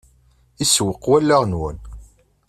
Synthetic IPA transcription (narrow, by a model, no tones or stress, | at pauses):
iswəqːwælːæʁnwə̰n